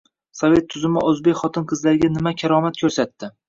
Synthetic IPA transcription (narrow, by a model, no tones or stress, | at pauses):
sɒve̞t̪ʰːʊzɪmɪɵzbe̞kʲχɒt̪ʰɪnqʰɨzlaɾɡʲanɪmakʲʰaɾɒmat̪̚kʰɵɾsat̪ːɪ